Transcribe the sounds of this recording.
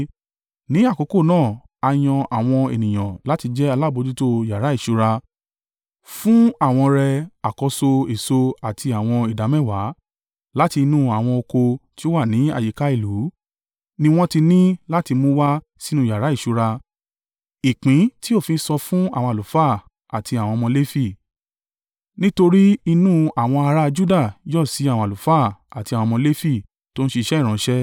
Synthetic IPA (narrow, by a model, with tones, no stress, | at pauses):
nĩ˨˦a˦˨ko˨˧˦ko˦˨nãː˦˨ | a˧j̃ɔ̃˧a˨w̃ɔ̃˧ḛ˨nĩ˨j̃ã˨la˨˦ti˧d͡ʒɛ˦a˧la˦˨bo˧d͡ʒu˦to˦˨ja˨ɾa˨˦i˦˨ʃu˧ɾa˧ | fũ˦a˦˨w̃ɔ̃˧ɾɛ˧a˨kɔ˧˦so˧e˨so˧a˨tʰi˧a˨w̃ɔ̃˧i˨da˨˦mɛ˦˨wa˨˦ | la˦ti˧nũ˦a˨w̃ɔ̃˧o˧ko˧ti˦o˦wa˦˨nĩ˨˦a̰˨ji˨˦ka˦i˦˨lu˨˦ | nĩ˧w̃ɔ̃˦ti˧nĩ˦la˦ti˧mũ˦wa˦ | si˦nũ˦˨ja˨ɾa˨˦i˦˨ʃu˧ɾa˧ | i˨k͡pĩ˨˦ti˦o˦˨fĩ˧˦sɔ˧fũ˦a̰˦˨w̃ɔ̃˧a˨lu˨˦faː˦˨ | a˨tʰi˧a˨w̃ɔ̃˧mɔ̃˧le˦fi˦˨ | nĩ˦to˧ɾi˦i˧nũ˦a˨w̃ɔ̃˧a˧ɾa˦˧d͡ʒu˦da˦˨jɔ˦˨si˨˦a˦˨w̃ɔ̃˧a˨lu˨fa˦˨a˨tĩ˧˨ɔ̃˧mɔ̃˧le˦fi˦˨ | to˦ñ̩˦ʃe˧i˧ʃɛ˦i˦˨ɾ̃ɔ̃˨˦ʃɛ˦